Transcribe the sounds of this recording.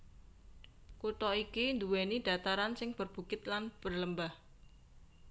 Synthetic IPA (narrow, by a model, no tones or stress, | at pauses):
kut̪ɔikind̪uwenid̥a̤t̪aɾansɪŋb̥ərb̥ṳkɪt̪̚lanb̥ərləmbah